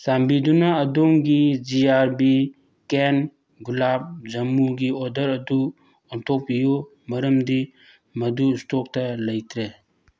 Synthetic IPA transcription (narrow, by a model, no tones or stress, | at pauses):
sambid̪unaːdɔŋɡid͡ʒiaɾbi | ken | ɡulab̚d͡ʒɐmːuɡiɔd̪əɾɐdu | ɔntʰɔpijɔ | mɐɾəmd̪i | mɐdustɔk̚taləjt̪ʰɾe